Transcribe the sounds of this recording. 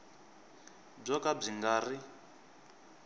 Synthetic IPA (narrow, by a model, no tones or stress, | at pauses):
b͡ʐɔkab͡ʐiŋɡaːri